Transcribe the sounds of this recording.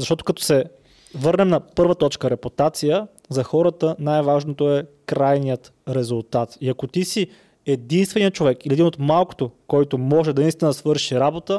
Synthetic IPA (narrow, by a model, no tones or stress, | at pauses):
zɐʃt̪ɔt̪o̥kɐt̪ɔ̥sɛ | vɤɾnɛmnɐpɤɾvət̪ɔt͡ʃkəɾɛput̪at̪sijə | zɐxɔɾət̪ənajvaʒnot̪oɛkɾajnijət̪ɾɛzulˠt̪at̪iɐkot̪isi | ɛd̪inst̪vɛnijət͡ʃovɛkiliɛd̪inot̪malˠko̥t̪okɔjt̪omɔʒɛd̪ɐnist̪insvɤɾʃiɾabot̪ə